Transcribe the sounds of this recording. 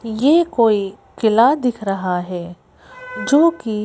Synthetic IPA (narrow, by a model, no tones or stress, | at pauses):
jeːkoːi | kɪlad̪ɪkʰɾɐɦaɦɛː | d͡ʒoːki